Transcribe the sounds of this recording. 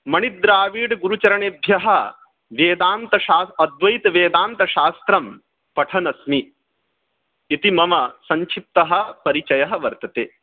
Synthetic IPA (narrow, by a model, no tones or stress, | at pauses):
mɐɳid̪ɾaːʋiːɽɡuɾut͡ʃɐɾɐɳeːbʱjɐɦɐ | ʋeːd̪aːnt̪ɐʃaːɐd̪ʋɐjit̪ʋeːd̪aːnt̪ɐʃaːst̪ɾɐm | pɐʈʰɐnɐsmi | it̪imɐmɐsɐɲt͡ʃʰip̚t̪ɐɦɐ̆pɐɾit͡ʃɐjɐɦɐʋɐɾt̪ɐt̪eː